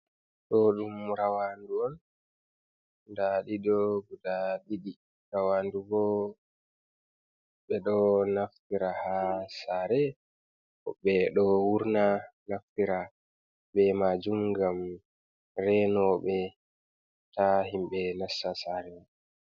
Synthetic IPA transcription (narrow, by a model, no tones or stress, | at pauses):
ɗɔɗumɾawanduɔn | daɗidɔɡudaɗiɗi | ɾawanduɡɔ | ɓɛɗɔnaftiɾahasaɾɛ | ɔɓɛɗɔwuɾnanaftiɾa | bɛmad͡ʒumɡam | ɾɛnɔɓɛ | taɦimɓɛnasːasaɾɛ